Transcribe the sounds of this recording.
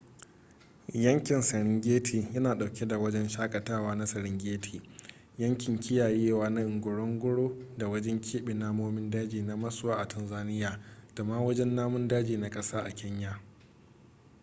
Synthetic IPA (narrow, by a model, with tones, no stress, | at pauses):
jɐ˦ŋkʲɪ˨nsɐ˨ɽɪ˦ŋɡʲeː˦tʰiː˨jɐ˦naː˨ɗa˨wkʲe˦da˨wɐ˦d͡ʒɛ˦nʃaː˦kʼɐ˨taː˦waː˦na˦sɐ˨ɽɪ˦ŋɡʲeː˦tʰi̥ː˨ | jɐ˦ŋkʲɪ˨ŋkʲɪ˦jaː˨jeː˦waː˦na˦ʔɪ˨ŋɡʷʊ˨ɽɔ˦ŋɡʷʊ˦ɽoː˦da˨wɐ˦d͡ʒɛ˦ŋkʲiː˦ɓɪ˨naː˦moː˦mɪ˦ndaː˦d͡ʒiː˨na˦mɐ˦sʊ˦waː˦ʔa˨tʰɐ˨nzaː˦nɪ˦jaː˨d̥a˨maː˦wɐ˦d͡ʒɛ˦nːaː˦mʊ˦ndaː˦d͡ʒiː˨na˨kʼɐ˦saː˦ʔa̰˨kʲʰɪ˦ɲjaː˨